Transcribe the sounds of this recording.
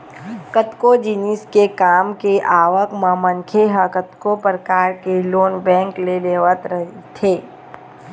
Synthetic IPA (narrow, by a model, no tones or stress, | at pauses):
kət̪kod͡ʒiniskekaːmkeʔaːʋəkmãmə̃ŋkʰeɦəkət̪kopɾɾəkaːɾkeloːnbɛ̃ːŋkleleːʋət̪ɾəɦt̪ʰeː